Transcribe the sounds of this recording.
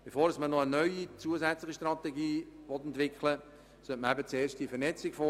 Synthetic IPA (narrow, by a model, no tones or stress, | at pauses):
b̥efoːɾəsmənɔənœʏit͡suəsɛt͡slɪχiʃtrɑt̪ɛɡiːʋɔt̪ɛntʋɪkχlə | sœtməɾɛbət͡seːʃtdifərnɛt͡sɪkfo